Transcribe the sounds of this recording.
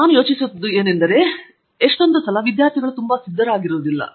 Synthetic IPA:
naːnujo̞ːt͡ʃisut̪d̪ue̞ːnend̪ɐɾe̞ | eʂʈo̞nd̪usɐlɐʋid̪jaːɾt̪ʰiɡɐɭut̪umbɐsid̪ʱːɐɾaːɡiɾoːd̪ilːɐ̰

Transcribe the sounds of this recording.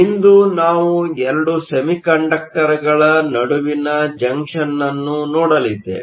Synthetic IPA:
ind̪unaːʋuɛɾɐɖusɐmikɐɳɖɐk̚ʈɐɾɐɡɐɭɐnɐɽuʋinɐd͡ʒɐŋkʂɐnːɐnːunɔːɽɐlid̪ːḛ

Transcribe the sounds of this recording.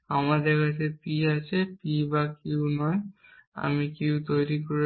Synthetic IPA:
amadɛɹkas̬ɛpiasɛpibakiʊnɔja̰mikiwt̪ojɹikoɹi

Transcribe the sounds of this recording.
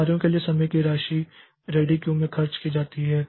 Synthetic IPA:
ɾijõkeliesɐməjkiɾaːʃi | ɾeːɖikjũmẽxʰɐɾt͡ʃkid͡ʒaːt̪iɦɛː

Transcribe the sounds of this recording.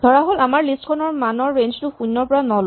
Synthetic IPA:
dʱɔɹaɦolamaɹlistkʰɔnɔɹmanɔɹːend͡ʒtʊxunːɔɹpɔɹanɔl

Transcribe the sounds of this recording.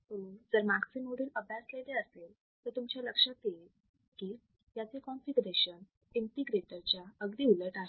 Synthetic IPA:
od͡zəɾmaksimoɽuːnəbʱjasleleəsel | t̪əɾt̪umt͡ɕjaləkʂat̪e | kiː | jat͡sekɔnfiɡɾeɕən | inʈ̪iɡɾeʈ̪əɾt͡ɕjaəɡd̪iːuleʈaɦ

